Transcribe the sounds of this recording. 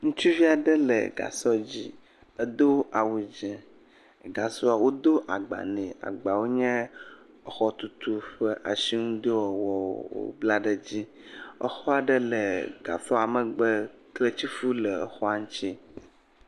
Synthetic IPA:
ŋũ˦t͡ʃi˦vi˦a˨ɖə˦lə̰˨ɡa̰˨sɔ˦d͡ʑi˦ | ə˦d̪o˦a˨wu˨d͡ʒɛ˨ | ɡa˨sɔ˦a˨wo˦d̪o˦ʔa˨ɡ͡ba̰˨nɛ̃˨a̰˨ɡ͡ba˨wo˦ɲɛ̃˦ | ə˨xɔ˦t̪u˦t̪u˦ɸə˦ʔa˨si˦ŋũ˦d̪e˦wɔ˨wɔ˨wo̰˦bla˦ɖə˦d͡ʑi˦ | ə̰˦xɔ˦a˨ɖə˦lə˨ɡ̥a̰˨sɔ˦a˨mə̃˨ɡ͡bə˦ | kle˦t͡ɕi˦fu˦lə˨ə˨xɔ˦a˨ŋ̩̃˦t͡ɕi˦

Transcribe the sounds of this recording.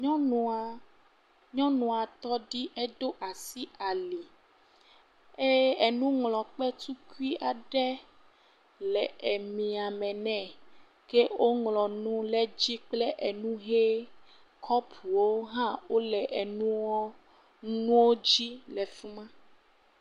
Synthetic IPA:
ɲɔ̃˦nũ˦a˨ | ɲɔ̃˦nũ˨a˨t̪ɔ˦ɖi˦ʔe˦ɖo˦ʔa˨si˦a˨li˨ | e˦e˨nũ˦ŋlɔ̃˨k͡pɛ˦t̪u˦ku˦i˦ʔa˨ɖɛ˦ | lɛ˨e˨mĩ˨a˨mɛ̃˨nɛ̃˦˨ | ke˦wo˦ŋlɔ̃˨nũ˦lɛ˦d͡ʑi˦k͡plɛ˦ʔe˨nũ˦ɦe˦ | kʰɔ˦pʰu˨wo˦ɦã˦wo˦lɛ˨ʔe˨nũ˦wɔ˦ | nũ˦wo˦d͡ʑi˦lɛ˨fu˦mã˦

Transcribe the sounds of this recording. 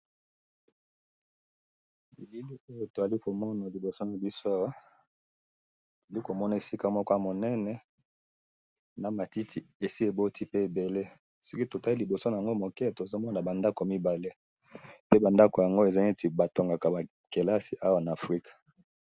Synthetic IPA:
bi˨li˦li˦o˦jo˨to˨a˨li˦ko˨mɔ˦na˨li˨bo˨so˦na˨bi˦so˦a˦wa˦˨ | a˨li˦ko˨mɔ˦na˨e˨si˦ka˨mɔ˦kɔ˦a˨mo˨nɛ˦nɛ˨ | na˨ma˨ti˦tʰi˨e˨si˦e˨bo˦tʰi˦pe˦e˨be˨le˦ | si˦ki˦to˨ta˦i˦li˨bo˨so˦na˨a˨ŋɡo˦mo˨kɛ˦˨to˨zo˦mɔ˦na˨ba˨nda˦ko˨mi˦ba˨le˦ | pe˦ba˨nda˦ko˨ja˨ŋɡo˦e˨za˦ŋe˦ti˨ba˨to˨ŋɡa˨ka˨ba˨ | ke˨la˦si˨ʔa˦wa˨na˨fʁi˦kḁ˨

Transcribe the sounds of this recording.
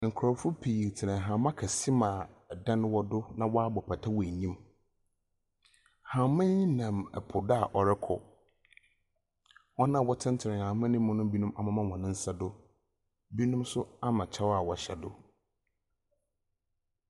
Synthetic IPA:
ŋ̩˨kʰɾɔ˨fʊ˦pʰi˨tʰɪ˨nɪ̃˨ɦã˨mã˦kʰa˨si˦mãː˨dã˦n˦wɔ˦dʊ˦nã˦wɔ˦a˦bɔ˨pʰa˨tʰa˦wɔ˨ɲĩ˦m | hã˨mɪ̃˦ɲĩ˦nã˨mɛ̰˨pʰʊ˨da˦a˨ʔɔ˨ɾɪ˦kʰɔ˨ | wɔ˦nã˦˨wɔ˦tʰɪ̃˦n˦tʰɪ˨nɪ̃˨ɲã˨mã˦nɪ̃˦mʊ̃˦nʊ̃˦bi˦nũ˦mʔa˨mã˦mã˦˨hɔ̃˨nɪ̃˦n̩˦sa˦dʊ˦ | bi˦nũ˦msʊ˦a˦mã˨t͡ɕʰa˦wa˨wɔ˨ɕɛ˨dʊ˦

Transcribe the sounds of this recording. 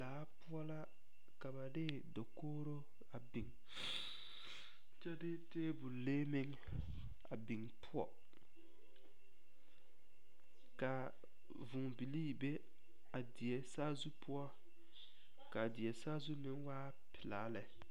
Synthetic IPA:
laː˨˦pʊ˦ɔ˦la˦ | ka˨ba˨dɪ˦ | do˨koː˦ɾo˦ | a˨bɪ˨ŋ | t͡ʃɛ˦dɪ˦teː˦bu˨leː˦mɪ˦ŋ | a˨bɪ˨ŋpʰʊ˦ɔ̰˦ | ka˨ | vʊ˨ŋbi˨liː˦˨be˦ | a˨dɪ˨ɛ˨saː˦zu˦pʊ˦ɔ˦ | ka˨dɪ˨ɛ˨saː˦zu˦nɪ˦nwaː˦ | pɪ˨laː˨˦lɛ˨

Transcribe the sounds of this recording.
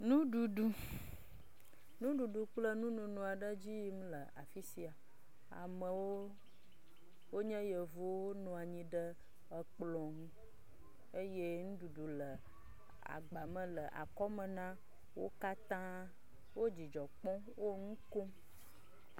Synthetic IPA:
nũ˦ɖu˨ɖu˦ | nũ˦ɖu˨ɖu˨k͡plə˦nũ˦nũ˨nũ˨a˨ɖə˦d͡ʑi˦m̃˦lə˨ʔa̰˨fi˦si˦a˨ | a̰˨mə̃˨wo˦ | wo˦ɲɛ̃˦jə˨vo˦o˦nɔ̃˨a˨ɲĩ˦ɖə˦ | ə˦k͡plɔ̃˨ŋũ˦ | e˦je˦ŋũ˦ɖu˨ɖu˨lə˨ | a̰˨ɡ͡ba˨mə̃˨lə˨ʔa̰˨kɔ˦mə̃˨nã˦ | wo̰˦ka˦t̪ã˦ | wo˦d͡ʑi˨d͡ʒɔ˨k͡pɔ̃˦wo˦ŋũ˦ko˦m

